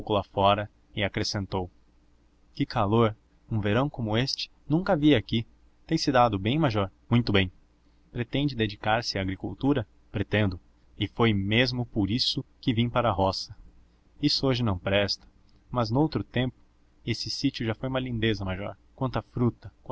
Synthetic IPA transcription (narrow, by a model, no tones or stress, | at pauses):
wkʊlafɔɾɐ | ɪakɾesẽnt̪ow | kɪkʰaloɾ | ũveɾɐ̃w̃kõmʊest͡ʃɪ̥nũŋkɐaviɐaki | t̪ẽj̃sɪd̪ad̪ʊbẽj̃maʒɔɾmũj̃t̪ʊbẽj̃ | pɾet̪ẽnd͡ʒɪd̪ed͡ʒikaɾsɪaːɡɾikṵwt̪uɾɐ | pɾet̪ẽnd̪ʊ | ɪfojmezmʊpoɾisʊkɪvĩj̃paɾɐɦɔsɐ | isʊoʒɪnɐ̃w̃pɾɛst̪ɐ̥ | mɐznowt̪ɾʊt̪ẽmpʊ̥ | esɪsit͡ʃʊʒafojumɐlĩnd̪ezɐmaʒɔ̰ɾ | kwɐ̃nt̪ɐfɾut̪ɐk